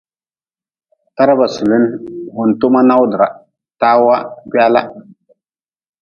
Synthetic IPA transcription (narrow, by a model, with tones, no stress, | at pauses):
ta˦ɾa˦ba˨su˨lɪ˦n˦vʊ˨n̩˨to˦ma˦na˦wdɨ˨ɾa˨ | taː˦wa˦ki˦a˦la̰˦